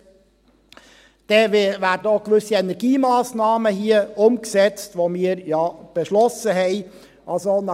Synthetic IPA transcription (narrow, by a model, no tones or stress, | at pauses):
d̥ɛvæːɾdəokʋʏsiɛnɛɾɡ̥iːmɑːsnɑːməhiəʊmksɛt͡stʋomiːəɾjɑːb̥eʃlɔsəɦɛɪ | ʔɑlzonɑ